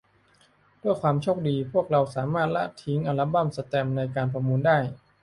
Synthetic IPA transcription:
d̥u˥˩əjkʰwaː˧mt͡ɕʰoː˥˩k̚diː˧pʰu˥˩ək̚ɾa˧wsaː˩˦maː˥˩t̪̚la̰˦˥t̪ʰːi˦˥ŋʔa˧la˦˥ba˥˩msa˧t̪ɛː˧mna˧jkaː˧npʰɔː˧muː˧ndaː˥˩j

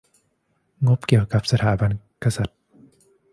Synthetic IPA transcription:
ŋo˦˥p̚ki˨˩ə˨˩ka˨˩p̚sɐ˧t̪ʰaː˨˩˦ba˧n | ka˧sa˨t̪̚

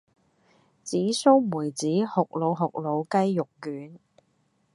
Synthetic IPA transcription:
t͡siː˨˥so˥wmuː˨˩jt͡siː˨˥hʊ˨k̚lo˨˧wɦʊ˨k̚lo˨˧wkɐ˥jːʊ˨kːyː˨˥n

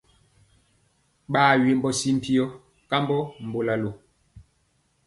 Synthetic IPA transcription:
ɓaː˦˨ɥe˨mbɔ˦si˦m̩˦˨pi˦ɔ˦ | ka˦mbɔ˦m̩˨bo˨la˨lo˨

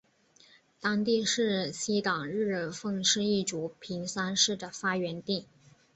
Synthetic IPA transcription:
t̪ɑ˥ŋt̪i˥˧ʂɻ̩˥˩ɕi˥t̪ɑ˨˩ŋɻɻ̩˥˧fɤ˥˧ŋʂɻ̩˥˧i˥˩ʈ͡ʂu˧˥pʰi˧˥ŋsa˥nʂɻ̩˥˩d̪ə˩fa˥ɥɛ˧˥nt̪i˥˩

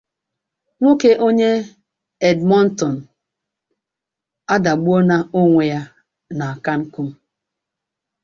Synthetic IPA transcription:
ŋʷo˦ke˦ʔo˦ɲe˦ | ɛ˨dmɔ˦n̩˦tɔ˨n̩˨ | a˦da˨ɡ͡bo˦na˦o˦ŋʷe˨ja˦ | na˨a˨ka˦ŋ̩˦ku˦m̩˦

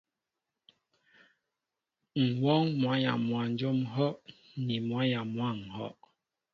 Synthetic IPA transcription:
ŋ̩˨wɔ˦ŋmwa˨˦ja̰˨mwa˨n̩˦d͡ʒo˦mɦɔ˦ʔ | ni˨mwa˨˦ja˨mwa˦˨ŋ̩˨hɔ̰˦ʔ

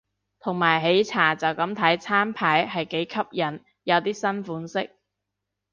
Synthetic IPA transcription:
t̪ʰʊ˨˩ŋmaː˨˩jɦe˨˥jt͡sʰaː˨˩t͡sɐ˨wkɐ˨˥mt̪ʰɐ˨˥jt͡sʰaː˥npʰaː˨˥jɦɐ˨jke˨˥jkʰɐ˥p̚jɐ˨˩n | jɐ˨˧wt̪iː˥sɐ˥nfuː˨˥nsɪ˥k̚

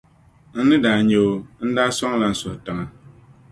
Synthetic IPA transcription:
n̩˦nɨ˦daː˨ɲɛ˦o˦n̩˦daː˦sɔ˦ŋ˦la˦n̩˦sʊ˨htɨ˨ŋa˨

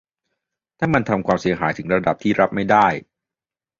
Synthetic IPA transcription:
t̪ʰaː˥˩ma˧nt̪ʰa˧mkʰwaː˧msi˩˦ɐɦa̰ː˩˦jt̪ʰɯ˩˦ŋɾa˧da˨˩p̚t̪ʰiː˥˩ɾa˦˥p̚ma˥˩jdaː˥˩j

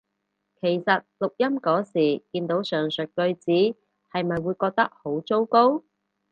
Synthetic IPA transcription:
kʰe˨˩jsɐ˨t̚lʊ˨k̚jɐ˥mkɔː˨˥siː˨˩kiː˧nt̪o˨˥wsœː˨ŋsɵ˨t̚kɵ˧ɥt͡siː˨˥ | hɐ˨jmɐ˨jwuː˨˧jkɔː˧k̚t̪ɐ˥k̚ho˨˥wt͡so˥wko˥w

